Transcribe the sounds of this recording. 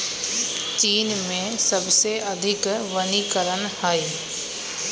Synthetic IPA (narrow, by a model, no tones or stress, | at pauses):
t͡ɕiːnmẽsɐbseɐd̪ʱɪkʋɐnikɐɾənhaːeː